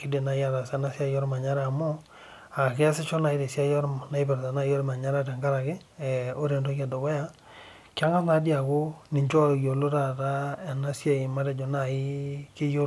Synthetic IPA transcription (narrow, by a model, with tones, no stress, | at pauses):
ki˨˦de˨na˨ja˦ta˨sa˦na˦sja˦jɔ˦ɾma˨ɲa˦ɾa˦˨mo˦ | a˨kɪ˦a˦sɪ˦t͡ʃo˦na˨i˦ɾe˨sja˦jɔ˦ɾna˨i˦bɛ˨ɾta˨na˦jo˦ɾma˨ɲa˦ɾa˦tɛ˨ŋɡa˦ɾa˨kɪ˦˨ | o˦ɾe˨ndo˦ka˦˨do˨wa˦ja˦ | ka˦ŋa˦na˨˦dja˨ko˦nɪ˨ɲt͡ʃɔ˦˨jo˨lo˦ɾa˨ta˦ɛ˨na˦sja˨ɪ˨ma˦ɾɛ˦d͡ʒɔ˨na˨ɪ˦kɪ˦jo˦